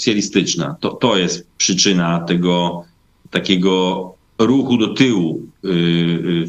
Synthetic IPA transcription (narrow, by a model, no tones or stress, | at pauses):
sʲjalʲist̪ɘt͡ʂna̰t̪ɔt̪ɔjɛst̪pʂɘt͡ʂɘnat̪ɛɡɔ | t̪akʲɛɡɔ | ɾuxud̪ɔt̪ɘwu